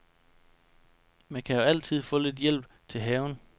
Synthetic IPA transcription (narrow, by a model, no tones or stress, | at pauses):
mænkʰæjo̝æl̰t͡sʰið̞̰ˠfɔ̽ːle̝d̥jel̰b̥̚ | t͡sʰe̝ɦɛːʊn